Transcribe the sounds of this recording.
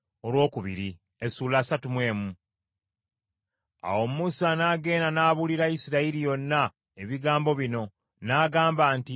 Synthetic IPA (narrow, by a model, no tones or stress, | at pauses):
olwo̞ːkuβḭɾi | esuːlasatumwe̞ːmu | a̰wo̞mumusanaːɡe̞ːnanaːβuliɾaisiɾaiɾijo̞nːa | eβiɡaːmbo̞βino̞ | naːɡaːmbaːnti